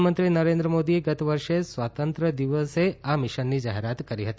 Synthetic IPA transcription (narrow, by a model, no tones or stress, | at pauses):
mənt̪ɾinəɾẽnd̪ɾəmod̪ieɡət̪ʋəɾʃesʋat̪ənt̪ɾəd̪iʋəseamɪʃənːid͡ʒa̰ɦeɾat̪kəɾiɦət̪i